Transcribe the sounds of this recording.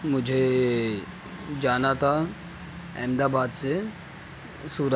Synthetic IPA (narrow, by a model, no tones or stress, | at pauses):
mʊd͡ʒʱe | d͡ʒaːnat̪ʰa | ɛ̰̃ːmd̪abaːd̪se | suːɾ